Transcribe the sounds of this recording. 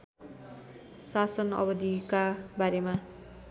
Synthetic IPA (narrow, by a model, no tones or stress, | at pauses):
sasʌnʌ̰bʌd̪ikabaɾema